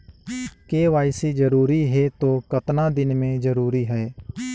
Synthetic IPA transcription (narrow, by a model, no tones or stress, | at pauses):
keːʋaːɪsiːd͡ʒəɾuːɾiːɦɛːt̪oːkət̪nãːd̪ɪnmẽːd͡ʒəɾuːɾiːɦɛː